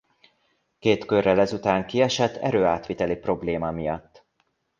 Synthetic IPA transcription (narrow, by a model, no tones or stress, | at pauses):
keːt̪kørːɛlɛzut̪aːŋkiɛʃɛt̪ːɛ̰ɾøːaːt̪ʋit̪ɛlipro̞bleːmɒmijɒt̪ː